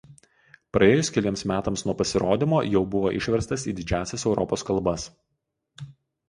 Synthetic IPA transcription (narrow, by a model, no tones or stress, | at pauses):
pɾɐeːjʊskʲɛlʲiɛmsmʲæːt̪ɐmsnuɔpɐsʲɪɾoːd̪ʲɪmoːjɛʊbʊʋoːʔɪʃʲʋʲɛɾst̪ɐsiːd̪ʲɪd͡ʒʲæːsʲɛsɛʊɾɔpoːskɐlˠˑbɐs